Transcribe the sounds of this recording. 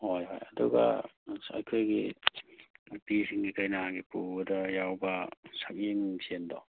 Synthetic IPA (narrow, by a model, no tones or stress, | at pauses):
hojɦo̰jɐduɡɐ̰ɐ̰jkʰojɡi | pisiŋɡikajnaɡipudɐjawbɐsak̚iŋsendɔ